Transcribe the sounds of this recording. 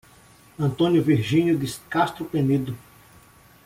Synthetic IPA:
ɐ̃nt̪õnjʊviɾʒĩɲʊd̪ɪskast̪ɾʊpẽnid̪ʊ

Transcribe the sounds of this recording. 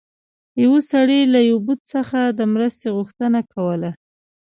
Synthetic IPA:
jawosaɽelajawbud̪səxad̪əmɾəst̪eɣuxt̪ənakʰawəla

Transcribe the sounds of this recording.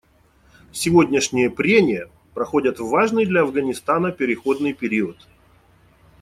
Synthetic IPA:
sʲɪvo̞dʲnʲɪʂnʲɪjəpɾʲemʲɪjə | pɾɐxo̞dʲət̪vaʐnɨjd̪lʲɐɐvɡənʲɪst̪anəpʲɪɾʲɪxo̞d̪nɨjpʲɪɾʲiət̪

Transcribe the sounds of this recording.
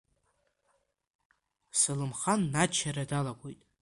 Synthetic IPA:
sɨlɨmχanːat͡ʃʰaɾadalakʷʼojtʼ

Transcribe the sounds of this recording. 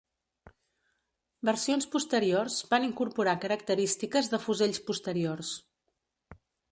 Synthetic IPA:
bərsionspust̪əɾiorzbaniŋkuɾpuɾakəɾəkt̪əɾist̪ikəzðəfuzeʎspust̪əɾiors

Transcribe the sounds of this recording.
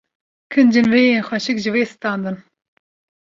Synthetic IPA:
kʰɨnd͡ʒɨnvejeːnxʷɛʃɨkʒɨveːsɨ̥t̪ɑːnd̪ɨn

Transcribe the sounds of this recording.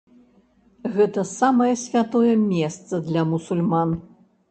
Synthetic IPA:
ɣɛt̪ɐsamɐjɛsʲvʲat̪ɔjɛmʲɛst̪sɐd̪lʲɐmusulʲman

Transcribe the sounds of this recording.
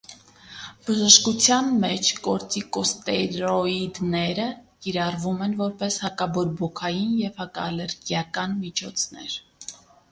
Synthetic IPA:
b̥əʒəʃkut͡sʰjɑnmɛt͡ʃʰkɔɾt͡sikɔst̪ɛɾɔid̪nɛɾəkiɾɑrvumɛnvɔɾpɛshɑkɑbɔɾbɔkʰɑjinjɛvhɑkɑːlɛɾɡjɑkɑnmit͡ʃʰɔt͡sʰnɛ̰ɾ

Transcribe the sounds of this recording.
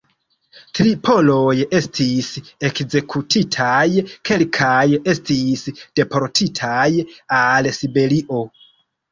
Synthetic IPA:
tɾipʰo̞loje̞stʰise̞kze̞kʰutʰitʰajkʰe̞lkʰaje̞stisd̥e̞po̞ɾtʰitʰajalsibe̞ɾiʔo̞

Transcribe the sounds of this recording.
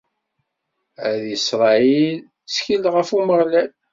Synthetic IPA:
æðisɾˤɑil | t͡sçilʁəfuməʁlæl

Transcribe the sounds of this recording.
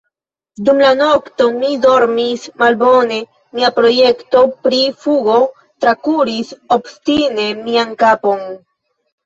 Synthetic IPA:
dumlano̞kto̞mido̞ɾmismalbo̞ne̞ | miapɾo̞je̞kto̞pɾifuɡo | tɾakuɾisobstine̞miankapo̞n

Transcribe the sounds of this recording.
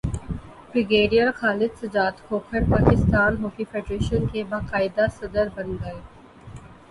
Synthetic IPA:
bɾɪɡeːɖijəɾxaːlɪd̪sɐd͡ʒaːd̪kʰoːkʰəɾpaːkɪst̪aːnɦoːkifʰeːɖɾeːʃənkebaːqaːɪd̪asɐd̪əɾbɐnɡɐeː

